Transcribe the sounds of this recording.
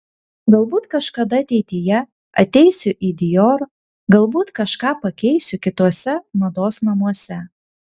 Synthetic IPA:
ɡɐlˠbuːt̪kɐʃkɐd̪ɐɐt̪ʲɛɪt̪ʲɪjɛ | ɐt̪ʲɛɪsʲʊʔiːd̪ʲɪjoːɾ | ɡɐlˠbuːt̪kɐʃkɑːpɐkʲɛɪsʲʊkʲɪt̪uɔsʲɛmɐd̪oːsnɐmuɔsʲɛ

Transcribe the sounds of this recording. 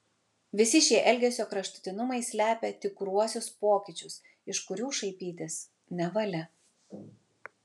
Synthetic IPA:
ʋʲɪsʲɪʃʲiɛʔɛlʲɡʲɛsʲoːkɾɐʃt̪ʊ̥t̪ʲɪnʊmɐɪsʲlʲæːpʲɛt̪ʲɪkɾuɔsʲʊspoːkʲɪt͡ʃʲʊs | ɪʃkʊɾʲuːʃɐɪpʲiːt̪ʲɪs | nʲɛʋɐlʲɛ

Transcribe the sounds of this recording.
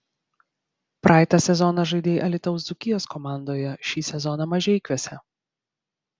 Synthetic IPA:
pɾʔɑːˑɪt̪ɑsʲɛzɔnɐʒɐɪd̪ʲeːjʔɐlʲɪt̪ɐʊzd̪ʊkʲɪjoːskɔmɑˑnd̪oːjɛʃʲiːsʲɛzɔnɑmɐʒʲɛɪkʲʋʲɛsʲɛ

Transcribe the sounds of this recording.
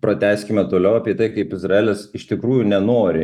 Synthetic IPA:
pɾɐt̪ʲæːsʲkʲɪmʲɛt̪oːlʲɛʊɐpʲiɛt̪ɐɪkɐɪpɪzrɐeːlʲɛsɪʃt̪ʲɪkɾuːjunʲɛnoːɾʲɪ

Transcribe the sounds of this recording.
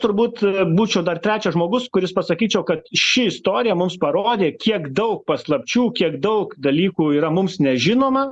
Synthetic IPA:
t̪ʊɾbuːt̪buːt͡ʃʲɛʊd̪ɐrt̪ʲɾʲæːt͡ʃʲɛʒmoːɡʊskʊɾʲɪspɐsɐkʲiːt͡ʃʲɛʊkɐt̪ʃʲɪɪst̪oːɾʲɪjɛmʊmspɐɾoːd̪ʲeːkʲiɛkd̪ɐʊk̚pɐslˠɐpʲt͡ʃʲuːkʲiɛkd̪ɐʊkd̪ɐlʲiːkuːiːɾɐmʊmsnʲɛʒʲɪnoːmɐ

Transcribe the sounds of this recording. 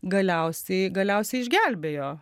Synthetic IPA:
ɡɐlʲɛʊsʲɛɪɡɐlʲɛʊsʲɛɪɪʒʲɡʲælʲbʲeːjoː

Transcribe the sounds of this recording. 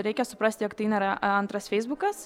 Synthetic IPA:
ɾʲɛɪkʲɛsʊpɾɐsʲt̪ʲɪjoːkt̪ɐɪnʲɐɾɐɐnt̪ɾɐsfʲɛɪzbʊkɐs

